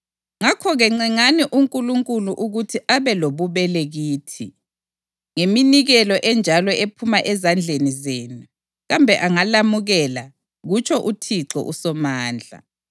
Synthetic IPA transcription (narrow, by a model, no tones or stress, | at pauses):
ŋakʰɔɣɛŋ͡ǀɛŋaniʔuŋkʼuluŋkʼuluʔuɣutʰiʔaβɛloβuβɛleɣiːtʰi | ŋeminiɣɛlɔʔɛnd͡ʒʱalɔepʰumaʔɛzand͡ɮʱenizeːnu | ɣambʱɛʔaŋalamuɣɛla | ɣut͡ʃʼʰɔʔutʰiǁɔ̰ʔusɔmaːnd͡ɮʱa̰